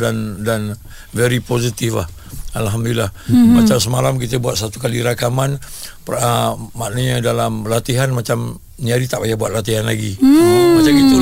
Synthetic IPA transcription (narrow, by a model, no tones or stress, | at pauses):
dandan | vɛɾipozit̪ifla̰h | alɦamd̪uilahmat͡ʃamsəmalamkit̪əbuat̪̚sat̪ukaliɾakamanpamaʔnəɲədalamlat̪iɦanmat͡ʃam | niaɾit̪aʔpajahbua̰t̪̚lat̪iɦanla̰ɡimat͡ʃamit̪u